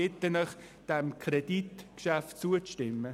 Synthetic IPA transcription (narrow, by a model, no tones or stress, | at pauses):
ɪt̪ːənɔχd̥ɛmkʰɾɛd̥itkʃæftt͡suət͡stɪmːə